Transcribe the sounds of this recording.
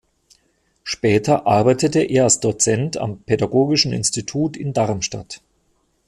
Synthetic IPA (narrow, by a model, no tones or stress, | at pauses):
ʃpɛːtɐʔaɐbaɪtətəʔeːɐalsd̥ot͡sɛntʰa̰mpʰedaɡoːɡɪʃn̩ɪ̰nstitʰuːtɪndaɐmʃta̰t